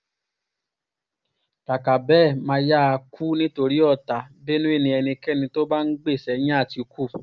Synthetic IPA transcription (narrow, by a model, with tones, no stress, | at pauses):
ka˨ka˨bɛ˦˨mã˧ja˦˧kʰu˦nĩ˦to˧ɾi˦ɔ˦˨ta˨be˦nũ˦e˦˨nĩ˧ɛ˧nĩ˧kɛ˦nĩ˧to˦ba˦n̩˦ɡ͡be˦˨sɛ˨˦j̃ĩ˦a˦˨ti˨˧kʰu˦˨